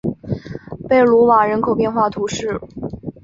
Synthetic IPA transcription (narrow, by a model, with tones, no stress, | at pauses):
pe˥˩ɪlu˧˥wa˨˩ɻə˧˥nkʰo˨˩ʊpjɛ˥˧nxwa˥˩t̪ʰu˧˥ʂɻ̩˥˩